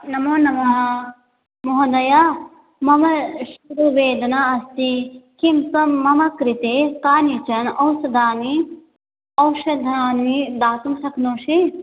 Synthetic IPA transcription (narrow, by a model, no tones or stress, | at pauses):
nɐmoːnɐmɐɦ | moɦɐ̃d̪ɐja | mɐmɐʃuɾuʋeːd̪ɐnaːɐst̪ikimkɐːɐmɐkɾit̪ekaːnit͡ʃɐnɐwsɐd̪aːni | ɐwʃɐd̪ʱɐaːnmid̪aːt̪umsɐkʰnoːʃi